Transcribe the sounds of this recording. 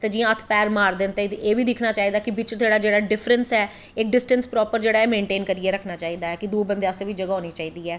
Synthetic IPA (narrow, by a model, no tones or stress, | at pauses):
t̪eːd͡ʒiːãːət̪ʰpɛːɾmaːɾd̪ent̪eit̪eːʋiːd̪ɪkʰnaːt͡ʃaːiːd̪aːkɪbɪt͡ʃt̪ʰeːɽaːd͡ʒeːɽaːɖɪpʰɾənsɛː | ɪk̚ɖɪsʈənspɾɔːpəɾd͡ʒeːɽaːɛːmẽːɳʈeːnkəɾiɛːɾəkʰnaːt͡ʃaːiːd̪aːɛːkɪd̪uːbənd̪eaːst̪eːʋid͡ʒəɡaːɦoːniːt͡ʃaːiːd̪iːɛː